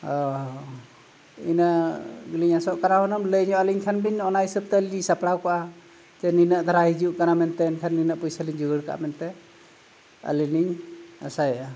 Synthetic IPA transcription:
ɔ | ḭnaɡiliɲasɔʔkanaɦɔnɔmləjɲɔaliɲkʰanbiɲɔnajsɯp̚t̪alisapɽakɔʔa | d͡ʒɛninaʔd̪ʱaɾaɦid͡ʒuʔkanamɛnt̪ɛnkʰanːinaʔpujsaliɲd͡ʒuɡɯɾka̰ʔmɛnt̪ɛ | a̰liniɲa̰saja

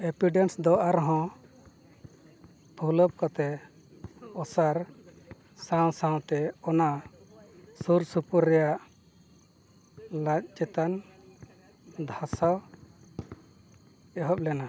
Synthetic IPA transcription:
ebiɖensd̪ɔʔaɾɔɦɔ̃ | bʰʱulɔp̚kɔt̪ɛ | ɔsaɾ | sãw̃sãw̃t̪ɛɔna | suɾsupuɾːɛjaʔ | lac̚ˀd͡ʒɛt̪an | d̪ʱasaw | ɛɦɔp̚lɛna

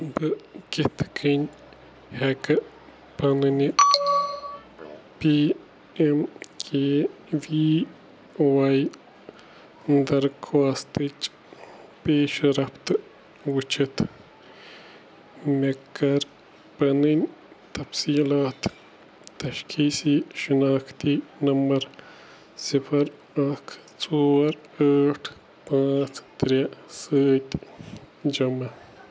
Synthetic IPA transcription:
bɨket̪ʰkʰinʲ | hekɐ | pɐnɨni | pi | emkʰeː | ʋi | waj | d̪ɐɾkʰaːst̪ɨt͡ʃ | peːʃɾɐpt̪ɨ | wɨt͡ʃʰɨt̪ | mekːɐɾ | pɐnɨnʲ | t̪ɐfsiːlaːt̪ː | ɐʃkʰiːsiʃinaːkʰt̪iːnɐmbɐɾ | sipʰɐɾ | ɐkʰ | t͡soːɾaːʈʰ | pãːt͡st̪ɾɐsəːt̪ʲ | d͡ʒɐmɐ

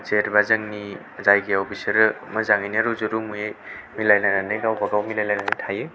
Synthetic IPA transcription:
t͡ʃeɾbazɐŋni | zajɡeɔbʰisɐɾmɐzaŋajnɾuzuɾumujejmilajnananɯjɡawbaɡawmilajlajnanɯjtʰajɯ

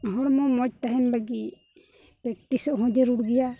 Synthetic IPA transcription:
ɦɔɽmɔmɔt͡ʃ̚t̪aɦɛnbaɡi | pɾɛk̚t̪isɔʔɦɔ̃d͡ʒɛɾuɽɡɛja

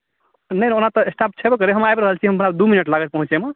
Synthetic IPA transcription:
nəjnonat̪ɔesʈap̚t͡ʃʰɛbekəɾeɦəmajbɾəɦəlt͡ʃʰiɦəmbənabd̪uminəʈlaɡət̪pəɦũt͡ʃeme

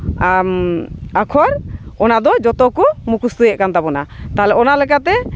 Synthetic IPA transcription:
akʰɔɾɔnad̪ɔd͡ʒɔt̪ɔkɔmukust̪ujɛʔ̚kant̪abɔnat̪aɦlɛɔnalɛk̬at̪ɛ

